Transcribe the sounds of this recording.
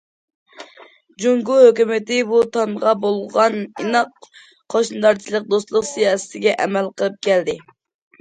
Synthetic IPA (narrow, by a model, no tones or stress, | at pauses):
d͡ʒuŋɡuhøkʲymɪt̪ɪbut̪ʰɑmʁɑbolˠʁɑninɑq | qʰːoʃnɨd̪ɑɾt͡ʃʰilˠəq̚d̪ost̪lˠʊqsijɑːsɨ̥t̪ɪɡʲɛʔɛmɛlqʰəlˠɨp̚kʲʰɛld̪ɪ